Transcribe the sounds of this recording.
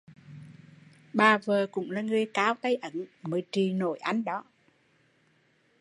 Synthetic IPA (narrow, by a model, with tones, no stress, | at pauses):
ɓaː˨˩vəː˨˩kʊ̰˧˥ŋ͡mlaː˨˩ŋɨ˨˩əjkaː˨˦wt̪ə˧jʔə˧˩nmɨ˨˩˨jt͡ɕi˨˩no˧˩˦jʔa˧jŋ̟ɗɔ˨˦